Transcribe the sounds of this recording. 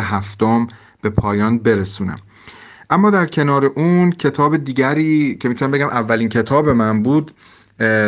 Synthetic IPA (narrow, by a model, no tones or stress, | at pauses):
eɦæft̪om | b̥e̞pʰɒːjɒːnbe̞ɾesuːnæ̰m | ʔæmːɒːd̪æɾcʰe̞nɒːɾe̞ʔuncʰe̞t̪ʰɒːbed̪iːɟæɾiːcʰe̞mit̪unæmbe̞ɟæmʔævːæliːncʰe̞t̪ʰɒːbe̞mænbuːd̪